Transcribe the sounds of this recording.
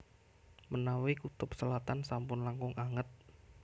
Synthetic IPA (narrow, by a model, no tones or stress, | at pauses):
mənawikut̪ʊp̚səlat̪ansampʊnlaŋkʊŋʔaŋət̪̚